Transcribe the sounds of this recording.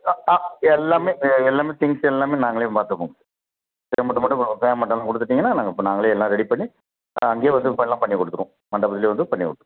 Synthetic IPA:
aːɛlːaːmeːɛlːaːmeːt̪ɪŋɡsɛlːaːmeːnaːŋɡɐɭej̃mpaːɾt̪ɯɐpːoːŋɡɐ | sɛɐmɐʈːɯ̃mɐʈːʊ̃feːmɐʈːɐ̃lːãːkɔɽɯt̪ːɯʈːiːŋɡɐnːaːnaːŋɡɐpnaːŋɡɐɭeɛlːãːɾɛɽipɐɳːi | ɐŋɡeːʋɐnd̪ɯpɐɛlːãːpɐɳːikɔɽɯt̪ːɯɾʊ̰̃ | mɐɳɖɐbɐt̪ɪleːʋɐnd̪ɯpɐɳːikɔ̰ɽɯt̪ːɾʊ̃

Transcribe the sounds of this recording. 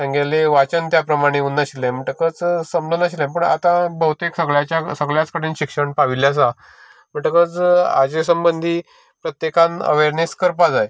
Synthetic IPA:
sə̃ŋɡaleʋat͡ɕənt̪japɾəmaɽ̃eunːəɕilẽm̤əʈəkət͡ssəmblonəɕilẽp̬əɳa̰t̪ãbəɦut̪eksəɡɭjat͡ɕjasəɡɭjat͡skəɽ̤iːnɕikʂəɳpaʋiljas̬a | m̤əʈəkət͡sa̰d͡ʑesəmbənd̪ʱiː | pɾət̪jekãnə̰ʋeɾneskəɾpad͡zaj

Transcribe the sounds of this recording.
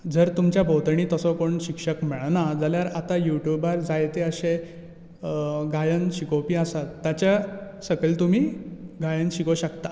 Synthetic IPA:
d͡zəɾt̪umt͡ɕjabʱəwt̪ɳ̃iːt̪əsɔkoɳɕikʂəkm̤eɭnad͡zaljaɾat̪ajuʈjubaɾd͡zajt̪eəɕe | ɡajənɕikowpiasat̪ːjat͡ɕja | səɡəlt̪um̤iːɡajənɕikoɕəkt̪a

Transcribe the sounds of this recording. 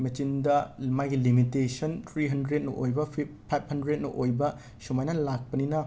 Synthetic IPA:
mɐt͡ʃindɐmajɡilimitesɐnt̪ʰɾiɦɐndɾet̚nɐʔojbɐipʰːajp̚ʰhɐndɾet̚nɐ̰ʔojbɐ | sumajnɐlak̚pɐninɐ

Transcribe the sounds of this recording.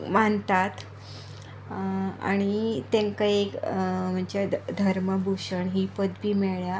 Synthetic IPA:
mant̪at̪ | a̰ɽ̃it̪ẽŋkaekm̤əɳd͡ʑad̪ʱəɾməbʱuɕəɳɦipəd̪bʱiːmeɭja

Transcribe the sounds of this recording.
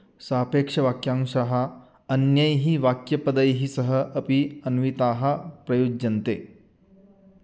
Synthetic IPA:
sɐɦpekʂɐʋakjãŋʂaɦa | ənjəjɦiːʋakjɐpəd̪əjɦiːsəɦəʔəpiənuʋit̪aːɦɐpɾɐjod͡ʒɐnt̪ḛ

